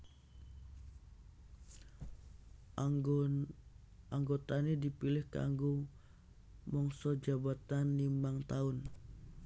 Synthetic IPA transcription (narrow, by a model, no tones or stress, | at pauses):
aŋɡot̪anidipilɪhka̰ŋɡu | mɔŋsɔd͡ʒabat̪anːimaŋt̪aʊn